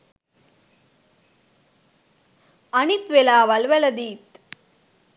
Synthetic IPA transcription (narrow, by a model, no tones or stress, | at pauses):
ɐnit̪ʋelaːʋɐlʋɛlɐd̪iːt̪